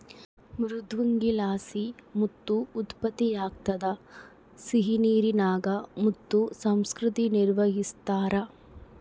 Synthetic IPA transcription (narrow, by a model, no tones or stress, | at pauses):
mɾud̪ʱʋuŋɡilaːsimut̪ːuːt̪pɐt̪ːijaːk̚t̪ɐd̪ɐ | siɦiniːɾinaːɡɐmut̪ːusɐmskɾɪt̪iniɾʋɐɦist̪aːɾɐ